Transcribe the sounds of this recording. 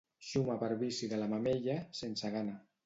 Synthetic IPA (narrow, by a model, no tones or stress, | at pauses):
ʃumapəɾβisiðəlamameʎasensəɣana